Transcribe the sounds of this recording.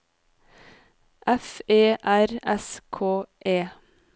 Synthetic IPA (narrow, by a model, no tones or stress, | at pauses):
ʔɛfeːʔæɾɛskʰoːʔeː